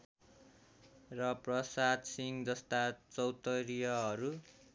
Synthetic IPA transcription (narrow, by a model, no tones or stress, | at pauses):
rʌprʌsad̪siŋd͡zʌst̪at͡sʌwt̪ʌɾijʌɦʌɾu